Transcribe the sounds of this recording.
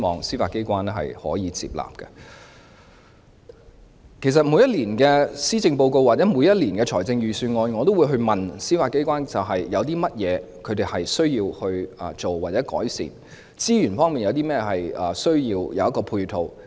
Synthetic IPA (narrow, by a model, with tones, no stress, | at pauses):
mɔ̰ː˨ŋsiː˥faː˧t̚ke˥jkʷwaː˥nɦɐ̰˨jhɔ̰ː˨˥jiː˨˧t͡sḭː˧p̚la̰ː˨p̚kɐ˧ | kʰe˨˩s̬ɐ˨t̚mu˨˧jɐ˥t̚liː˨˩nkɛː˧siː˥t͡sɪ˧ŋpo˧wko˧wa˨t͡sɛː˨˥mu˨˧jɐ˥t̚liː˨˩nkɛː˧t͡ʃʰɔː˨˩jt͡sɪ˧ŋjyː˨˩syː˧nŋɔː˧nŋɔ˨˧t̪o˥wu˨˧ɦɵ˧ɥmɐ˨˩nsiː˥faː˧t̚ke˥jkwaː˥nt͡sɐ˨wɦɐ˨jjɐ˨˧wt̪̬iː˥mɐ˥t̚jɛː˨˧ | kʰɵ˧ɥt̪e˨jhɐ˨jsɵ˥ɥjiː˧whɵ˧ɥɐ˨t͡so˨wːaː˨˩t͡sɛː˨˥kɔ̰ː˨˥jsḭː˨˩n | t͡siː˥jyː˨˩nfɔː˥ŋmiː˨njɐ˨˧wt̪i˥mɛː˥jɦɐ˨jɐː˨sɵ˥ɥjiː˧wjɐ̰˨˧wjɐ˥tkɔː˧pʰuː˧jt̪ʰo˨˧w